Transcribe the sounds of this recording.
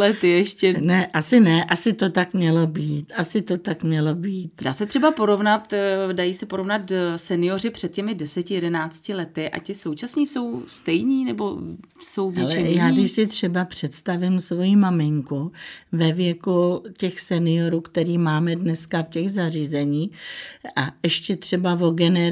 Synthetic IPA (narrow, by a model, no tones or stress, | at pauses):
lɛt̪ɪjɛʃcɛnɛʔasɪnɛʔasɪt̪o̞t̪akmɲɛlo̞biːt̪ʔasɪt̪o̞t̪akmɲɛlo̞biːt̪daːsɛt̪r̝̥ɛbapo̞ɾo̞vnat̪dajiːsɛpo̞ɾo̞vnat̪sɛnɪjo̞rɪpr̝̥ɛt̪̚cɛmɪdɛsɛcɪjɛdɛnaːt͡scɪlɛt̪ɪʔa̰cɪso̞wt͡ʃasɲiːso̞wst̪ɛjɲiːnɛbo̰ | sowvjɛlt͡ʃɪjaːdɪʃsɪt̪r̝̥ɛbapr̝̥ɛt̪st̪avɪmsvo̞jimamɪŋkuvɛvjɛkucɛxsɛnɪo̞ɾuːkt̪ɛɾiːmaːmɛdnɛskafcɛɣzariːzɛɲiːʔaɛʃcɛt̪r̥ɛbavo̞ɡɛnɛ